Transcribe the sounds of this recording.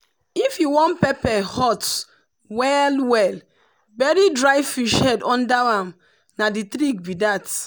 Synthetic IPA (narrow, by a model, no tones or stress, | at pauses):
ifjiwɔ̃npɛpɛhɔt | wɛlwɛl | bɛɾidɹajfiʃhɛdɔ̃ndaãm | naditɾik̚bidat